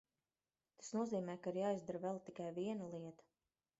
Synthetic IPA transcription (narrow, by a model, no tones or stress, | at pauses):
t̪ḁsnuɔziːmɛːjkaiɾjaːizd̪aɾvɛlˠt̪ikajviɛnalˠiɛt̪ɐ̥